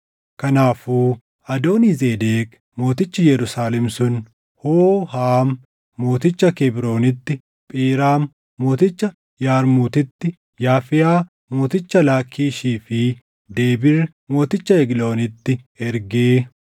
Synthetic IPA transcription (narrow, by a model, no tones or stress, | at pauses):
kɐnaːfuː | ɐd̪o̞ːnizeːd̪eːk | mo̞ːt̪ɪt͡ʃːɐjɛɾʊsaːlɛmsʊn | hoːhaːmː | o̞ːt̪ɪt͡ʃːɐkɛbɾo̞ːnɪt̪ːɪ | pʼiːɾaːmː | o̞ːt̪ɪt͡ʃːɐ | jaːɾmuːt̪ɪt̪ːɪ | jaːfɪjaː | mo̞ːt̪ɪt͡ʃːɐlaːkʰːiːʃiːfɪ | d̪eːbɪɾ | mo̞ːt̪ɪt͡ʃːɐɛɡlo̞ːnɪt̪ːɪ | ɛɾɡeː